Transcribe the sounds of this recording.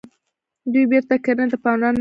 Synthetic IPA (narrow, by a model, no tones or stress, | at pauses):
d̪ujbeɾt̪akaɾəd̪əpɑnɾɑnː